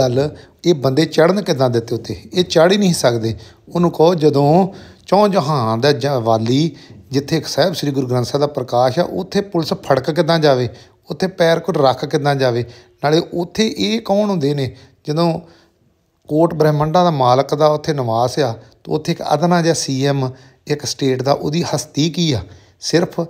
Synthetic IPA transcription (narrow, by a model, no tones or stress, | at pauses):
əl | eːbənd̪eːt͡ʃəɽnkɪd̪ãːd̪ɪt̪ːeːʊt̪ʰːḛːeːt͡ʃaːɽiːnəĩːsəkd̪eː | onũːkəoːd͡ʒəd̪õːt͡ʃɔ̃ːd͡ʒoɦãːd̪aːd͡ʒʋaːliːd͡ʒɪt̪ʰːeːksɛːbsɾiːɡʊɾɡɾə̃nsãːd̪aːpɾəkaːʃɛ̰ːʔʊ̰t̪ʰːeːpʊlɪspʰəɽkkɪd̪ãːd͡ʒaːʋeː | ʊt̪ʰːeːpɛːɾkʊɾɾəkʰkɪd̪ãːd͡ʒaːʋeːnaːleːʔʊt̪ʰːeːʔeːkɔːnũːd̪eːneː | d͡ʒəd̪õː | koːʈbəɾɛːməɳɖãːd̪aːmaːləkd̪aːʊt̪ʰːeːnəʋaːsaːt̪õ̰ːʊt̪ʰːeːkə̰d̪nãːd͡ʒɛːsiːɛːm | ɪksʈeːʈd̪a̰ːʔo̰ːd̪iːhəst̪iːkiːaː | sɪɾpʰ